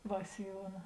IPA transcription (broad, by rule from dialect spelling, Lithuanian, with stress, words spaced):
ˈʋɐ sʲɪˈjuɔnɐ